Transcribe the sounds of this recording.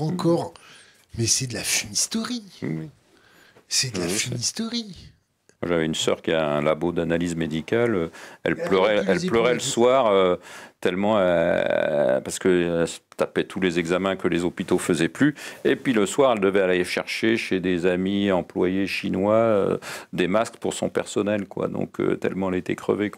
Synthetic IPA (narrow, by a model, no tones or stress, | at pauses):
ɑ̃kʰɔʁ | mɛsɛd̪əlafinist̪ɔʁiw | sɛd̪afnist̪ɔʁi | mwaʒavɛynsœ̰ʁkʲiɛ̃ɛ̃labod̪analizmed̪ikʲaløɛ̰lplœʁɛɛlplœʁɛləsswaʁøt̪ɛlmɑ̃ | paʁsə̥kəɛlst̪apɛt̪ʰulezɛɡzamɛ̃kəlezɔpit̪ofəzɛplyepɥiləswaʁɛld̪əvɛalaeʃɛʁʃeʃed̪ezamiɑ̃plwajeʃinwaø̰d̪emaskpuʁsɔ̰̃pɛ̰ʁsɔnɛlkwa̰d̪ɔ̰̃kʰø̰t̪ɛ̰lmɑ̃ɛlet̪ɛ̰kχə̰vek